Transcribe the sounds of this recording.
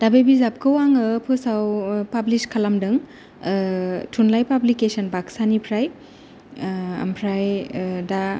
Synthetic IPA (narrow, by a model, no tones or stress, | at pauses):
d̥abebizap̚kʰɯwaŋɯpʰɯsawpabliskʰalamdɯŋ | tʰunlajpablikesɐnbaksanipʰɾaj | ɐ̰mpʰɾajda